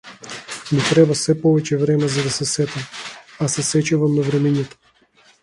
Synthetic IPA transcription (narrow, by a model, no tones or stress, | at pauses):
mit̪ɾɛbasɛpɔvɛt͡ʃɛvɾɛmɛzad̪asɛsɛt̪amasɛsɛt͡ʃavamnavɾɛmiɲat̪ḁ